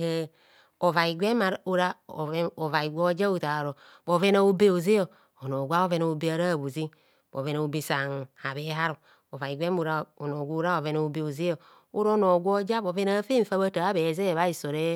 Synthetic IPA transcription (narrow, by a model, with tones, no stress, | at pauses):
e˦ | o˨va˨i˨ɡʷe˦ma˨ɾu˦ɾa˦˨˦o˨va˨i˨ɡʷo˦d͡ʒa˦u˨ta˨ɾo˨ | bo˨ve˦na˨u˦be˦o˨zi˦jo˨ | o˨no˨ɡʷa˦o˦ve˦na˨o˨be˦a˨ɾa˦˨βu˨zi˦ | bo̰˨ve˨na˨u˨bi˨sa˨ŋ˨a˨βe˦ɦa˦ɾo˨ | o˨va˨i˨ɡʷe˦m˦u˨ɾa˨o˨no˨ɡʷu˦ɾa˦o˨ve˨˦na˨u˨be˨o˨zi˦jo˨ | u˦ɾo˦no˨ɡʷo˦d͡ʒa˦bo˨ve˦na˦fe˦ɱ̩˨fa˦βa˦ta˨a˦be˨ze˦˨βa˦i˨so˨ɾe˦